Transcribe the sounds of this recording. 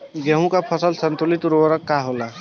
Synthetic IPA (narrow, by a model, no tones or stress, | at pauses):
ɡəɦũkapʰəsəlsənt̪ulit̪ʊɾwəɾəkːaɦola